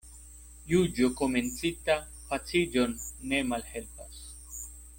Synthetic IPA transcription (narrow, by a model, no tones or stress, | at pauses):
jud͡ʒoko̞me̞nt͡sita | pat͡sid͡ʒo̞nːe̞malhe̞lpas